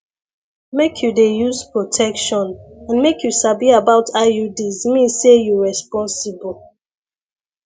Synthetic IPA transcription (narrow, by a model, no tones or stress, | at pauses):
mekʰjudejuzpɹotʰɛkʃɔ̃nãnmekjusabiabaʊtʰajudizmĩsejuɹɛspɔ̃nsibɔl